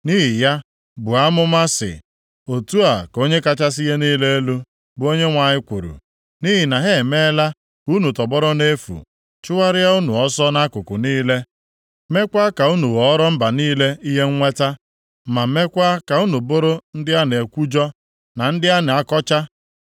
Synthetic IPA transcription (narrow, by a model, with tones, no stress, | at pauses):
ni˦ɦi˨ja˦ | bʊ˨a˦mʊ˦ma˦sɪ̰˨ | o˨tu˦a˨ko˦ɲe˦ka˦t͡ʃa˦s̬i˦ɦe˦niː˦le˦e˦lu˦ | bʊ˨o˦ɲe˦ŋʷa˨ɲɪ˦kʷu˨ɾṵ˨ | ni˦ɦi˨na˨ɦe˦˨me˦la˦ | u˦nu˨tɔ˨bɔ˦ɾɔ˦ne˦fṵ˨ | t͡ʃʊ˦wa˦ɾɪ˦a˦u˦nu˨ɔ˦sɔ˦na˦kʊ˨kʊ˨niː˦le˦ | me˦kʷa˦ka˨u˦nu˨wɔ˨ɔ˦ɾɔ˦m̩˦ba˨niː˦le˦i˦ɦe˦ŋ̩˦ŋʷe˦ta˦ | ma˨˦me˦kʷa˦ka˨u˦nu˨bo˦ɾo˦n̩˦dɪ˦a˦n˨e˨kʷu˦d͡ʒɔ˦ | na˨n̩˦dɪ˦a˦ne˨a˦kɔ˦t͡ʃa˦